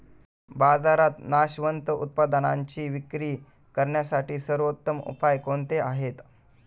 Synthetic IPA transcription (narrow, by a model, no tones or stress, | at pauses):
bad͡zaɾat̪naɕʋənt̪əṵt̪̚pad̪ana̰ɲt͡ɕiːʋikɾiː | kəɾɳjasaʈiːsəɾʋot̪ːəmṵpajkoɳt̪eaɦet̪